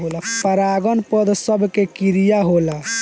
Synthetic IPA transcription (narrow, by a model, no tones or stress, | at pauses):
ɦolapəɾaɡənpəd̪ʱsəbʱkekiɾijaɦola